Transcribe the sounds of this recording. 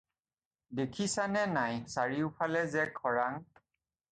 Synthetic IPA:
dekʰisanɛnajsaɹiʊpʰalɛzɛkʰɔɹaŋ

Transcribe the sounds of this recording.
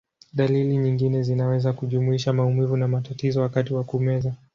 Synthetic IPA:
ɗaliliɲiŋɡinɛzinawɛzakuʄumuiʃamaumivunamatatizɔwakatiwakumɛza

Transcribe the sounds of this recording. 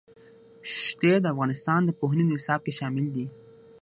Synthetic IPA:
ʃt̪ed̪əafɣɑnɪst̪ɑnd̪əpoɦninoɪsɑb̚keʃɑmɪld̪i

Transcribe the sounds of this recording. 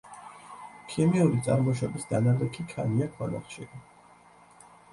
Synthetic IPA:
kʰimiuɾit̪sʼa̰ɾmɔʃɛbisd̪anad̪ɛkʰikʰaniakʰwɔla̰χʃi

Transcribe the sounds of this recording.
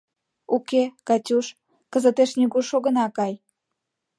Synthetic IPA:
ukekɑtʲuʃ | kəzət̪eʃnʲiɡuʃoɣənɑkɑj

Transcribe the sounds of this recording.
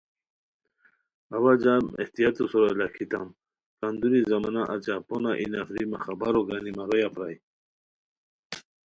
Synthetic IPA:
awad͡ʑamḛht̪ijat̪usɔɾolakʰit̪am | kand̪uɾizamanaʔat͡ɕaponaʔḭnafɾimaχabaɾoɡanimaɾojapɾaj

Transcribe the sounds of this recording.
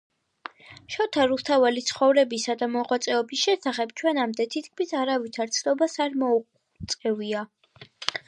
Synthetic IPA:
ʃɔt̪ʰaɾust̪ʰavalit̪sʰχɔvɾɛbisad̪amɔʁwat̪sʼɛɔbisʃɛsaχɛbt͡ʃʰwɛnamd̪ɛt̪ʰit̪kʰmisaɾavit̪ʰaɾt̪sʰnɔbasaɾmɔu | t̪sʼɛvia

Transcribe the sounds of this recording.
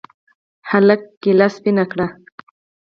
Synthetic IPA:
halakːɪlaspɪnakɽa

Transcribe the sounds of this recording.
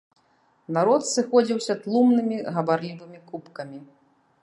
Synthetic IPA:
naɾɔt̪sɨxɔd͡zʲiwsʲɐt̪lˠumnɨmʲiɣɐbaɾlʲivɨmʲikupkɐmʲi

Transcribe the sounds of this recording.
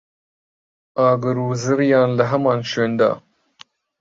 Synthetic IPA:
ɑːɡɐɾuːzɨɾjɑːnlɐɦɐmɑːnʃeːnd̪a̰ː

